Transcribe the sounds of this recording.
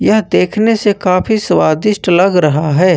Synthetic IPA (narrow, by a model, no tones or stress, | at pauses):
jɐɦd̪eːkʰnesekaːfisʋaːd̪ɪʃʈlɐɡɾɐɦaɦɛː